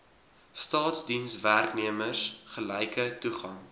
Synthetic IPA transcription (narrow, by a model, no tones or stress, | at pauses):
stɑːtsdinsværkniəmərsχəlɛjkətuχɐŋ